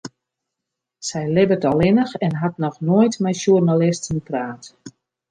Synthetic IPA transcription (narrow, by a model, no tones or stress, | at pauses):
sɛjlɪbətɔlˠɪnəxɛnɦatnɔxnojtmɛjʃurnalɪstənpraːt